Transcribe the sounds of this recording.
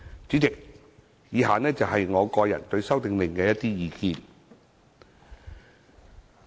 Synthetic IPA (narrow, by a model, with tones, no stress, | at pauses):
t͡ʃy˨˥t͡sɪ˨k̚ | jiː˨˧ɦaː˨nɛː˥t͡sɐ˨wɦɐ˨jŋɔː˨˧kɔː˧jɐ̰˨˩nt̪ɵ˧ɥsɐ˥wt̪ɪ˨ŋlɪ˨ŋkɛː˧jɐ˥t̪iː˥jiː˨˧kiː˧n